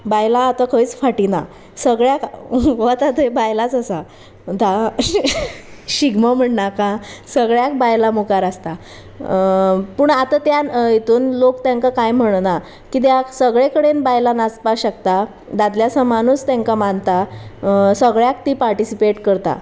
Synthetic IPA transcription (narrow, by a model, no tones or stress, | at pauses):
bajlaːt̪akʰəjt͡sfaʈina | səɡɭjakʋət̪at̪əjbajlat͡səsa | d̪ʱa | ɕiɡməm̤əɳnakãsəɡɭjak̚bajlamukaɾast̪a | puːɳat̪at̪jait̪uːnlokt̪jãŋkakajm̤əɽna | kit̪̬jasəɡɭekəɽenbajlanat͡spaɕəkt̪a | d̪ad̪ljasamanust̪jãŋkamant̪a | səɡɭjak̚t̪iːpaɾʈisipeʈkəɾt̪a̰